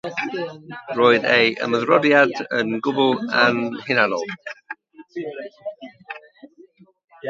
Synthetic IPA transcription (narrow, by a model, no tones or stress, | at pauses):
roːɨðejʔə̰məðrɔdjadənɡʊbʊlˠanhɪnanɔlˠ